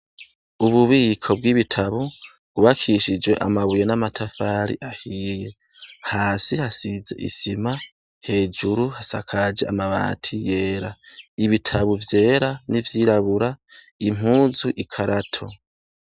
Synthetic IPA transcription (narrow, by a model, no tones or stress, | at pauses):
uβuβiːkʰo̞b̚ɡwiːβitʰaβu̥ | uβakʰiʃid͡ʒwe̞ʔa̰maβuje̞namatʰafaɾḭʔahiːje̞ | haːsihasize̞̰ʔḭsima | he̞ːd͡ʒuɾuhasa̰kʰad͡ʒea̰maβa̰ːtʰije̞ːɾaiβitʰaβuvje̞ːɾanivjiːɾaβuɾa | im̥ɦuːzuʔikʰaɾatʰo̞